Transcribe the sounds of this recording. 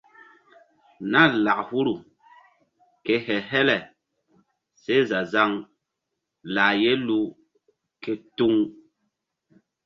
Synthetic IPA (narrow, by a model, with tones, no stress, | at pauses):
na˦˨la˨ʔhu˦ɾu˨ | ke˦hɛ˨ɦɛ˦lɛ˨ | se˦za˨za˦ŋ | la˨je˦lu˦ | ke˦tu˦ŋ